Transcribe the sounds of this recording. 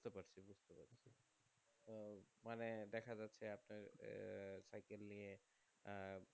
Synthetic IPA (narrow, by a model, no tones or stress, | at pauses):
t̪opaɾt͡ɕʰibud͡ʑt̪opaɾt͡ɕʰi | omaned̪ɛkʰad͡ʑatːɕʰeapneɾ | sajkelːie